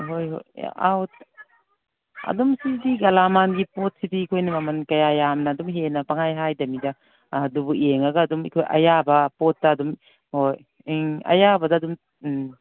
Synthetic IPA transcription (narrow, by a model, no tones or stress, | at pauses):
ɦojɦo̰ja̰wt̚ | ɐ̰dumsidiɡɐlamanɡipot̚sidiːkʰojnɐmɐmɐnkɐjajamnɐːdumɦenɐpaŋajɦajdɐmidɐ | ɐdubueŋɐɡɐːdumḭkʰojʔɐ̰jabɐpotːɐːdum | hoj | ɐ̰jabɐdɐːdum